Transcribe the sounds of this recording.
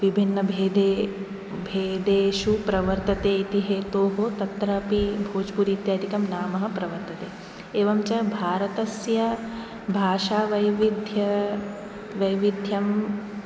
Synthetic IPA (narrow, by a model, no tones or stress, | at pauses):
ʋibʱinːɐbʱeːd̪eː | bʱeːd̪eːʃupɾɐʋɐɾt̪ɐt̪eːit̪iɦeːt̪oːɦot̪ɐt̪ɾɐpibʱoːd͡ʒpuɾiːt̪jaːd̪ʱikɐmnaːmɐɦɐ̆pɾɐʋɐɾt̪ɐt̪eː | eːʋɐmt͡ʃɐbʱaːɾɐt̪ɐsjɐ | bʱaːʃaːʋɐjʋid̪ʱjɐ | ʋɐjʋid̪ʱjɐm